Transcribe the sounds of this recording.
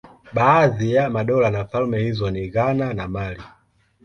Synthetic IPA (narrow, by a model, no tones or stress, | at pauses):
ɓaːðijamaɗɔlanafalmɛhizɔniɣananamali